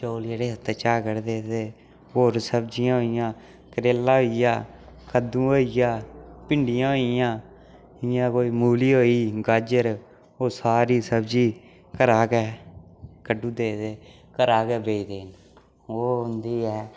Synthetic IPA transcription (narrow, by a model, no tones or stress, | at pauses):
t͡ʃoːliɾeːət̪ːeːt͡ʃaːkəɾd̪eːd̪eː | oːɾsəbd͡ʒɪjãːɦoːɪjãː | kəɾeːlãːɦoːijãː | kʰəd̪ũːoːijãːpɪɳɖɪjãːɦoːɪjãː | ɪjãːkoːiːmuːliːɦoːiːɡad͡ʒəɾ | oːsaːɾiːsəbd͡ʒiː | kəɾaːkɛː | kəɖːũːd̪eːd̪eː | kəɾaːkɛːbeːid̪eːn | oːɦʊnd̪iːɛː